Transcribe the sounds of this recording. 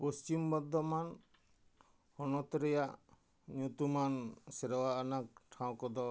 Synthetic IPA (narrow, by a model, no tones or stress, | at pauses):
post͡ʃimbɔd̪ʱːɔman | hɔnɔt̪ɔɾɛjaʔ | ɲut̪umansɛɾɔwaːnak̚ʈʰaw̃kɔd̪ɔ